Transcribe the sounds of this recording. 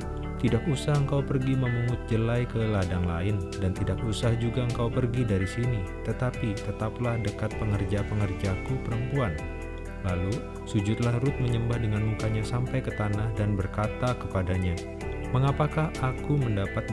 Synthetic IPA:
t̪idak̚usahəŋkawpərɡiməmuŋʊt̪̚d͡ʒəlajkəladaŋlaɪndant̪idak̚usahd͡ʒuɡaəŋkawpərɡidaɾisinit̪ət̪apit̪ət̪aplahdəkat̪̚pəŋərd͡ʒapəŋərd͡ʒakupəɾəmpuan | lalu | sud͡ʒʊt̪̚lahrʊt̪̚məɲəmbahdəŋanmukaɲasampajkət̪anahdanbərkat̪akəpadaɲa | məŋapakahakuməndapat̪̚

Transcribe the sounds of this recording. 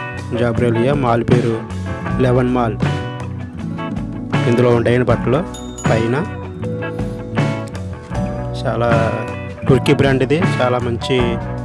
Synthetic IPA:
d͡ʒaːbɾeːlijamaːlupe̞ːɾu | lɛʋɐnmaːl | ind̪uloːuɳʈaːjɐnibɐʈːlo̞ː | pɐjnɐ | t͡ʃaːlaː | ʈuɾkibɾaːɳɖid̪it͡ʃaːlaːmɐɲt͡ʃi

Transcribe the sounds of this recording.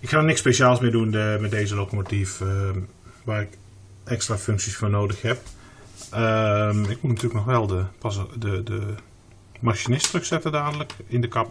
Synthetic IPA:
ɪkhanɪkspeʃaːlˠsmɪːdunmɛt̚deːzəlokomotif | ʋaːrɪk | ʔɛkstraføŋksisfoːnoːdəxhɛp̚ | əmɪk̚mutnatyləknɔxʋɛlˠdəpadədə | maʃinɪstrɵxsɛtədaːdələkɪndəkap

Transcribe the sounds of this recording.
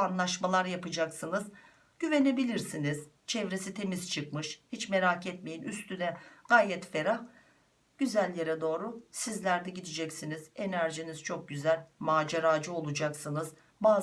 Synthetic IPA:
anlˠaʃmalˠaɾjapɯd͡ʒaksɯnɯz | ɟ̥yve̞ne̞bilʲiɾsiniz̥ | t͡ʃʰɛvɾe̞sit̪ʰe̞mizt͡ʃʰɯkmɯʃhit͡ʃme̞ɾacʰɛt̪me̞jinyst̪ʰynɛɡ̥aːjɛt̪fe̞ɾah | ɟ̥yzælʲjeɾɛd̪o̞ːɾusizlʲæɾd̪ɛɟid̪id͡ʒɛcsiniz̥e̞næɾʒiniz̥t͡ʃʰo̞k̚ɟyzælʲmaːd͡ʒeɾaːd͡ʒɯo̞lˠud͡ʒaksɯnɯz | baː

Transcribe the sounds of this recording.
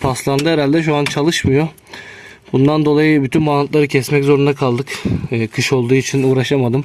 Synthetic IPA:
pʰaslˠand̪ɯeɾalʲd̪ɛʃuant͡ʃʰalˠɯʃmɯjo̞ | bund̪and̪o̞lˠajɯbyt̪ʰynbant̪lˠaɾɯcʰɛsmɛczo̞ɾund̪akʰalˠd̪ɯkːkʰɯʃo̞lˠd̪uːit͡ʃʰinuːɾaʃamad̪ɯm

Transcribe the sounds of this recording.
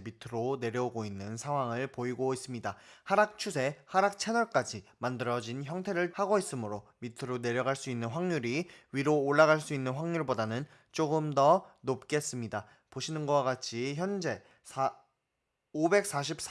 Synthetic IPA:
mitʰɯɾone̞ɾjʌuɡoinːɯnsʰaŋɦwaŋɯɭpoiɡois͈ɯmɲidahaɾak̚t͡ɕʰusʰe̞haɾak̚t͡ɕʰenʌɭk͈ad͡ʑimandɯɾʌd͡ʑinçjʌŋtʰe̞ɾɯɭhaɡois͈ɯmɯɾomitʰɯɾone̞ɾjʌɡaɭs͈uinːɯnɸwaŋɲuɾiɥiɾoːɭːaɣaɭs͈uinːɯnɸwaŋɲuɭbodanɯn | t͡ɕ͈oɡɯmdʌnop̚k͈e̞s͈ɯmɲida | poɕʰinɯnɡʌwaɡat͡ɕʰiçjʌnd͡ʑe̞ | sʰa | obe̞k̚s͈aɕ̬ʰip̚s

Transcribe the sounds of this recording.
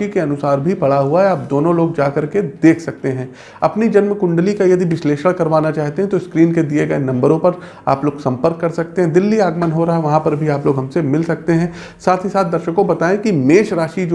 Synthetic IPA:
ikeɐnʊsaːɾbʱipɐɽaɦuaɦɛaːp̚d̪oːnõloːɡ̚d͡ʒaːkɐɾked̪eːkʰsɐk̚t̪eɦɛ̃ː | ɐpnid͡ʒɐnmkʊ̃ɳɖlikajɐd̪ʱiʋɪsleːʃəɽkɐɾʋaːnat͡ʃaːɦt̪eɦɛ̃t̪oɪskɾiːnked̪ieɡɐenɐ̃mbəɾõpɐɾ | a̰ːploːɡsɐ̃mpəɾkːɐɾsɐk̚t̪eɦɛ̃d̪ɪlːiaːɡmənɦoɾaɦaɦɛʋɐɦãpɐɾbʱiaːploːɡɦɐ̃msemɪlsɐk̚t̪eɦɛ̃ː | saːt̪ʰɦisaːt̪̚ʰd̪ɐɾʃəkõbɐt̪aːẽkimeːʃɾaːʃid͡ʒ

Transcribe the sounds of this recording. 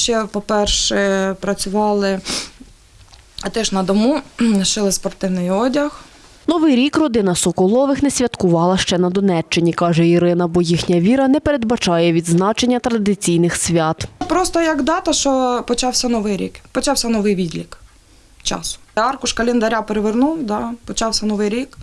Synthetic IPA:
ʃt͡ʃɛpɔpɛrʃɛpɾɐt͡sʲʊʋɑlˠɪ | t̪ɛʃnɐd̪ɔmuʃɪlˠɪspɔrt̪ɪwnɪjɔdʲɐx | nɔʋɪjɾʲikrɔd̪ɪnɐsɔkɔlˠɔʋɪxnɛsʲʋʲɐt̪kʊʋɑlˠɐʃt͡ʃɛnɐd̪ɔnɛt͡ʃt͡ʃːɪnʲikɑʒɛiɾɪnɐbɔjixnʲɐʋʲiɾɐnɛpeɾed̪bɐt͡ʃɑjɛʋʲid̪znɑt͡ʃe̞nʲːɐt̪ɾɐd̪ɪt͡sʲijnɪxsʲʋʲɑt̪pɾɔst̪ɔjɐɡd̪ɑt̪ɐʃt͡ʃɔpɔt͡ʃɑwsʲɐnɔʋɪjɾʲḭkpɔt͡ʃɑwsʲɐnɔʋɪjʋʲid̪ʲlʲik | t͡ʃɑ̰sʊ̥ɑrkʊʃkɐlʲind̪ɐɾʲapeɾeʋernuwd̪ɑpɔt͡ʃɑwsʲɐnɔʋɪjɾʲik

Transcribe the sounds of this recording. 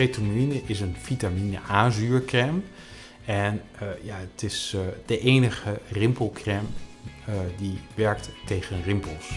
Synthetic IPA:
etominəʔɪs̬ənfitaminəʔaːzyːɹkrɛm | ɛnjaətɪsd̥əʔejnəχərɪmpəlˠkrɛm | diʋɛɹktːejχənrɪmpəlˠs

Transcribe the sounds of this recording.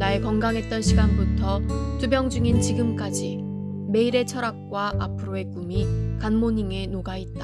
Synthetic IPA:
naekʌŋɡaŋɦe̞t̚t͈ʌnɕʰiɡanbutʰʌtubjʌŋd͡ʑuŋint͡ɕiɡɯmk͈ad͡ʑi | me̞iɾe̞t͡ɕʰʌɾak̚k͈waʔapʰɯɾoe̞k͈umikanmoɲiŋe̞noɡait̚t͈ḁ

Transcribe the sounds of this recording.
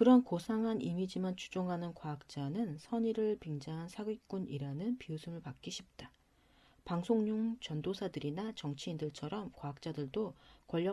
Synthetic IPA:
kɯɾʌnkosʰaŋɦanimid͡ʑimant͡ɕʰu̥d͡ʑoŋɦanɯnkwaak̚t͡ɕ͈anɯnsʰʌɲiɾɯɭpiŋd͡ʑaŋɦansʰaɡɥik͈uniɾanɯnpiusʰɯmɯɭpak͈iɕʰip̚t͈a | paŋsʰoŋɲuŋt͡ɕʌndosʰadɯɾinat͡ɕʌŋt͡ɕʰiːndɯɭt͡ɕʰʌɾʌmkwaak̚t͡ɕ͈adɯɭdokwʌʎːʌ

